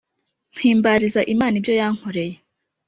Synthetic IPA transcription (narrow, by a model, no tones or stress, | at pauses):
n̥hiːmbaɾizaʔimaːnibjo̞jaːŋ̥hoɾe̞je